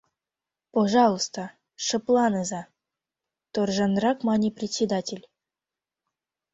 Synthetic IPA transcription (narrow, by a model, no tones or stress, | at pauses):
poʒɑlˠost̪ə | ʂə̆plˠɑnɤzɑ | t̪orʒɤnrɑkmɑnʲiprʲet̪ʲsʲed̪atʲelʲ